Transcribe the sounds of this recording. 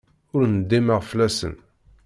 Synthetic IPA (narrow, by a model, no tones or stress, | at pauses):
ʊɾnəd̪ːiməʁflæsə̰n